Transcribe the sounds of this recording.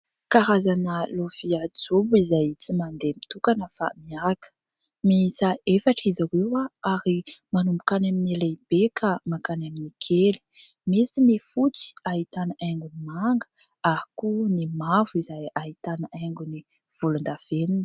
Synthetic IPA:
kaɾazanəloviad͡zobuizajt͡simand̪emit̪ukanəfa̰miakə̥ | misaefaʈ͡ʂizawewaaɾimanumbukanamineleb̥ekʰamakanaminikʰeli̥ | misinifut͡si̥ait̪anaʔaŋɡunimaŋɡə̥ | akunimavuizajaɦit̪anaaŋɡuni | v̥ulund̪av̥enini̥

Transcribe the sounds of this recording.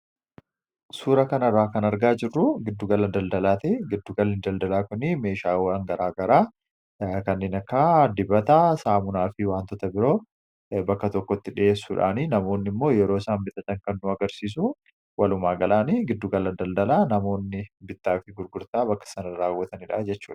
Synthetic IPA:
suːɾɐkɐnɐrːaːkɐnɐɾɡaːd͡ʒɪrːʊɡɪd̪ːʊɡɐlɐd̪ɐld̪ɐlaːt̪ɛɡɪd̪ːʊɡɐlɪnd̪ɐld̪ɐlaːkʊnːime̞ːʃaːwɐŋɡɐɾaːɡɐɾaː | kɐnːeːnɐkːad̪ɪbɐt̪asaːmʊnaːfɪwaːnt̪ɔt̪ɐbɪɾo̞ː | bɐkːɐt̪ɔkːɔt̪ːɪᶑɪe̞ːsːuːᶑa̰ːninɐmo̞ːnːɪmːo̞ːjɛɾoːsaːmbɪt̪ːɐt̪ɐŋkɐnːʊɐɡɐɾsiːs̬u | wɐlʊmaːɡɐlaːniɡɪd̪ːʊɡɐlɐd̪ɐld̪ɐlaːnɐmo̞ːnːɪbɪt̪ːaːfɪɡʊɾɡʊɾt̪aːbɐkːɐ̥sɐnɐɾaːwːɐt̪ɐnɪᶑad͡ʒɛt͡ʃːṵːᶑɐ̥

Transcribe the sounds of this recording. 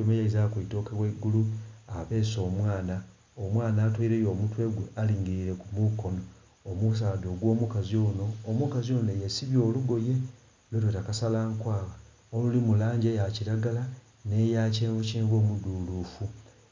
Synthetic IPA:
omejaizakito̞ːkeweɡuluaβe̞ːso̞ːmwaːna | omwaːnaːtweiɾe̞ːjo̞ːmutwe̞ɡwealiːŋɡiɾiɾe̞kumuko̞no̞ː | mus̬aːdo̞ːɡwo̞ːmukazio̞no̞ːmukazio̞ːnejesiβjo̞ːluɡo̞je̞ | lwetwetakasalaːŋkwaːɣa | olulimulaːɲɟejaciɾaɡala | nejaːceːɱvuciːɱvo̞ːmuduluːfu

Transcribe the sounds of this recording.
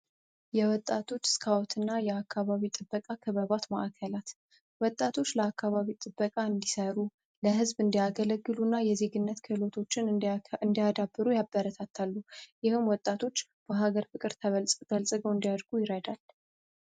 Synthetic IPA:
jɛwɔt̪ʼːat̪ʰo̞t͡ʃːskʰawt̪ʰɨnːajɛakʰːaβaβit̪ʼɨbːəkʼakʰɨβəβat̪maʔkʰəlat̪ | wɔt̪ʼːat̪ʰo̞t͡ʃːləakʰːaβaβit̪ʼɨbːəkʼaɨnd̪isəɾu | ləɦɨzbɨnd̪ijaɡələɡːɨlunːajɛze̞ɡɨnːət̪kʰɨlo̞t̪ʰo̞t͡ʃːɪnɨnd̪ijad̪abːɨɾujabːəɾət̪ʰat̪ʰːalːujɪhɨmwɔt̪ʼːat̪ʰo̞t͡ʃːb̥əɦaɡəɾfɨkʼɨɾt̪ʰəβəlsʼɡ̪̥əlsʼɡəwɨnd̪ijad̪ɾɡujɪɾəd̪al

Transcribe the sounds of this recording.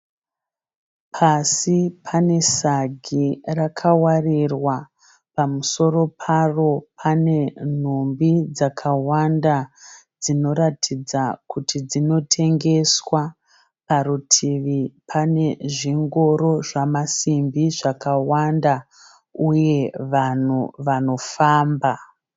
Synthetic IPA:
pʰasipʰane̞saɡʱirakʰawarirwa | pamuso̞ɾo̞pʰaro̞pʰane̞n̤umbid͡zakʰawandad͡zino̞ɾatʰid͡zakutʰid͡zino̞tʰe̞ŋɡe̞swa | paɾutʰiʋipʰane̞ʐiŋɡo̞ɾo̞ʐamasimbiʐakawanda | uje̞ʋan̤uʋano̞faːmba

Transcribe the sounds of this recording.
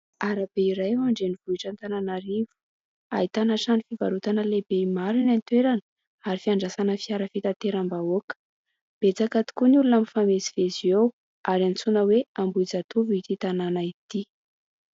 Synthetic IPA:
aɾabeiɾajaaɳɖ͡ʐeniv̥uiʈ͡ʂant̪ananaɾivu̥ | a̰it̪anaʈ͡ʂanifivaɾut̪anəlebeimaɾinant̪weɾanə | aɾifiaɳɖ͡ʐasanəfiaɾəfit̪at̪eɾambaokə̥ | b̥et͡sakat̪i̥kunulunamifameziveziew | aɾant͡sunəweambuid͡zat̪uvit̪it̪ananait̪i

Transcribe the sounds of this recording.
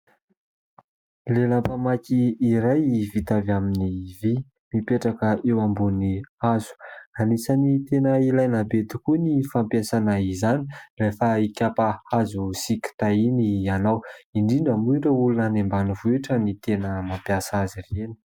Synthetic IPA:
lelapamakiːɾajivit̪avaminivi | mipeʈ͡ʂakəewambuniazu̥anisanit̪enəilajnabet̪i̥kunifampjasanaizani̥refaikʲapaazusikʲi̥t̪ainianawiɳɖ͡ʐiɳɖ͡ʐəmuiɳɖ͡ʐəulunanembanuvueʈ͡ʂənit̪enəmampjasazireni̥

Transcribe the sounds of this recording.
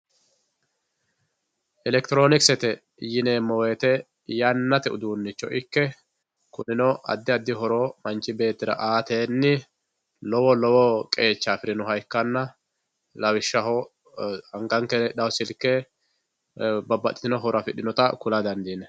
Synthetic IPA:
ʔɛlɛkt̪ɪɾo̞ːnɪksɛt̪ɛ | jɪneːmːɔweːt̪ɛ | jɐnːɐt̪ɛʊ̰d̪uːnːɪt͡ʃːɔ̰ʔɪkːɛ | kʊnɪnɔʔɐ̰d̪ːɪɐd̪ːɪɦɔɾomɐnt͡ʃːɪbe̞ːt̪ːɪd̪ɐ̰ʔaːt̪eːnːɪ | lɔwɔlɔwɔkʼe̞ːt͡ʃːaːfɪɾɪnʊɦɐjkːɐnːɐ | lɐwɪʃːɐɦɔ | ɐŋɡɐŋkːɛɗɐwsɪlkːɛ | bɐbːɐt̪ʼːɪ̥t̪ɪnɔɦɔɾɐfɪɗɪnɔt̪ɐkʊlɐd̪ɐnd̪iːnɛ

